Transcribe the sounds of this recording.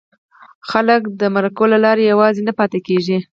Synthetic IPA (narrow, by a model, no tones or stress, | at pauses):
xaləkd̪əmaɾakolalɑɾejawɑzenapɑt̪ekeʒi